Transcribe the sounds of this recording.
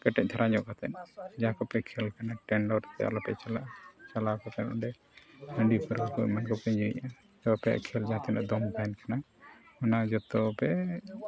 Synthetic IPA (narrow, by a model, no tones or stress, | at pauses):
kɛʈɛc̚ˀt̪ʰaɾaɲɔʔkat̪ɛnd͡ʒakɔpɛkʰɛlkanaʈɛnɖɔɾt̪ɛ̰a̰lɔpɛ̰ʔt͡ʃalt͡ʃalakat̪ɛnɔɳɖɛ | həɳɖipəɾkɔkumankɔpɛɲd͡ʒuɲa | t̪ɔapɛa̰ʔkʰɛld͡ʒãt̪ʰɛna̰ʔd̪ɔmbɛnkana | ɔnad͡ʒɔt̪ɔpɛ